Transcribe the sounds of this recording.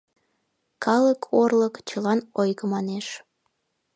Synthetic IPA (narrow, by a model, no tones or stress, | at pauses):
kʰɑləkʰorləkt͡ɕəlɑnojɣəmɑneʃ